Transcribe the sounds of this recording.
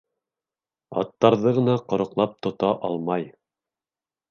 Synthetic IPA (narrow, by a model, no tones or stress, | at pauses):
ɑ̰t̪ːɑɾðɤʁɤ̆nɑqŏɾŏqlˠɑp̚t̪ŏt̪ɑʔɑlˠmɑj